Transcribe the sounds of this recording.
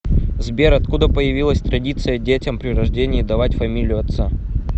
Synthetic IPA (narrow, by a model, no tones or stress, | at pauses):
zbʲeɾɐt̪̚kud̪əpəjɪvʲilˠəsʲt̪ɾɐdʲit̪sɨjədʲetʲɐmpɾʲɪrɐʐdʲenʲɪːd̪ɐvatʲfɐmʲilʲɪjʊɐt̪sa